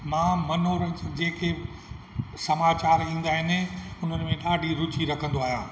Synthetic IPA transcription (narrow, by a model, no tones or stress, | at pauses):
mãːmɐnoːɾəd͡ʑeːke | sɐmaːt͡ɕaːɾĩːn̆d̪aːɦɪnɪʊn̤ənmẽɗaːɖʱiɾʊt͡ɕiɾɐkʰə̃nd̪oaːɦjãː